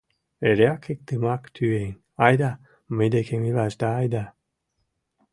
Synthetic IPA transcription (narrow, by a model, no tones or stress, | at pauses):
eɾeakʰek̚d̪ɨmakt̪ʰyen | ajd̪a | med̪ekʰemilaʒd̪aːjd̪a